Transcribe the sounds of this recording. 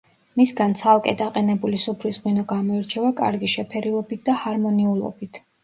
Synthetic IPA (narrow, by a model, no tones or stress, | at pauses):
misɡant̪sʰalˠkʼɛ̰d̪aqʼɛnɛbulisupʰɾisʁwinɔɡamɔiɾt͡ʃʰɛvakʼa̰ɾɡiʃɛpʰɛɾilˠɔbit̪̚d̪ahaɾmɔniulˠɔ̰bit̪ʰ